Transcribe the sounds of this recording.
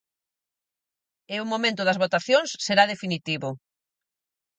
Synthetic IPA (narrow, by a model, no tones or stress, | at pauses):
eʊmomẽnt̪ʊðɐzβot̪aθjoŋsːeɾaðefinit̪iβʊ